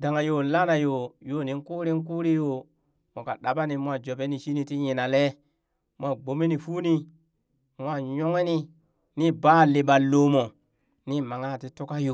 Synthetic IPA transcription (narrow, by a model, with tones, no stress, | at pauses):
da˨ŋa˨jo˨˦la˦na˨jo˨jo˦˨ni˨ŋ˦ku˦ɾi˦ŋ˦k̬uː˦ɾi˦jo˨ | mo˨ka̰˨ɗa˨ba˦ni˨mʷ˦a˦d͡ʒo˨be˦ni˨ʃi˦ni˨ti˦ɲi˨na˨le˦ | mʷ˦a˦˨ɡ͡bo˨mi˦ni˨fuː˦ni˦ | mʷ˦a˦˨ɲo˦ŋe˦ni˦ | ni˦baː˦˨li˨ɓa˨lo˨mo˨ | ni˦ma˨ŋa˦˨ti˦tu˦ka˦jo˨